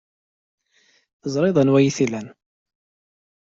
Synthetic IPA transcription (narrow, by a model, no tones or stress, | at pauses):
θəzˤɾˤɪðˤənwæjiθilæn